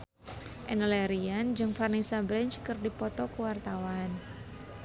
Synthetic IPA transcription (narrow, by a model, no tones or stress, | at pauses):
ʔɛnlɛɾiand͡ʒɨŋfarnisabɾɛnt͡ʃkɨrdipɔt̪ɔkəwart̪awan